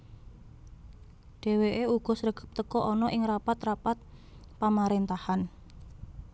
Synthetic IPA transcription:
ɖ̥e̤weʔeuɡ̥ɔ̤srəɡ̥ə̤̥p̚t̪əkɔʔɔnɔʔɪŋrapat̪rapat̪̚ | pamaɾent̪ahan

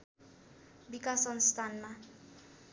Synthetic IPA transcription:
bikasʌnst̪ʰanma

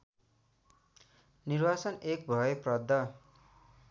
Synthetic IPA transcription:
nirbat͡sʌnek̚bʱʌeprʌd̪ʱːʌ

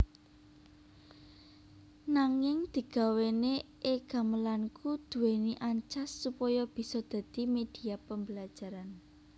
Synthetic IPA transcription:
naŋɪŋd̪̥i̤ɡ̥a̤weneʔeɡ̥a̤məlankud̪̥ṳweniʔaɲt͡ʃasːupɔjɔb̥i̤sɔd̪̥ä̤d̪̥imed̪̥i̤apəmbəlḁd͡ʒ̥a̤ɾan

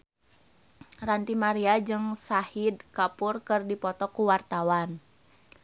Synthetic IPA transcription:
rant̪imaɾiad͡ʒɨŋsahidkapurkɨrdipɔt̪ɔkuwart̪awan

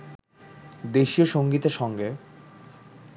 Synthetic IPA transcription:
d̪eʃioʃoŋɡit̪eɾʃɔŋɡe

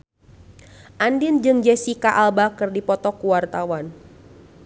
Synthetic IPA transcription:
ʔandɪnd͡ʒɨŋd͡ʒɛsikaʔalbakɨrdipɔt̪ɔkuwart̪awan

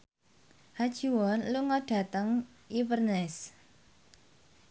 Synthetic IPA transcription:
had̥ʒ̥uwɔnluŋɔɖ̥a̤t̪əŋ | ʔipərnɛs

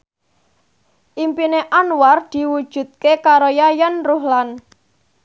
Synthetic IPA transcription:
ʔimpineʔanward̪̥i̤wud̥ʒ̥ṳt̪̚kekaɾojajanruhlan

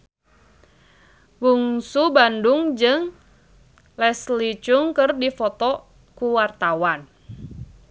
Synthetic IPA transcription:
buŋsubandʊŋd͡ʒɨŋ | lɛslit͡ʃʊŋkɨrdifɔt̪ɔ | kuwart̪awan

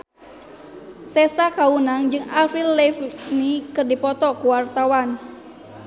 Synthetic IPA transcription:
t̪ɛsakaunaŋd͡ʒɨŋafilːɛfnikɨrdipɔt̪ɔkuwart̪awan

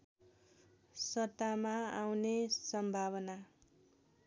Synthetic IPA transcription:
sʌt̪amaawnesʌmbʱaβʌna

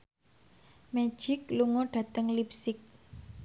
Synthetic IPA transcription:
mɛ̥d͡ʒʒ̥ɪkluŋɔɖ̥ä̤t̪əŋlipsɪk̚

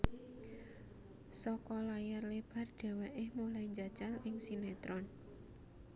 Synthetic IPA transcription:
sɔkɔlajarleb̥a̤rɖ̥e̤wɛʔɪhmulaiɲd͡ʒat͡ʃalʔɪŋsinet̪ɾɔn

